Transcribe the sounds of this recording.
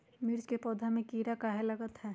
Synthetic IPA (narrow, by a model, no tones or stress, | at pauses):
mɪɾd͡ʒkepɔːd̪ʱamẽkiːɾakaːɦelɐɡət̪ɦɛː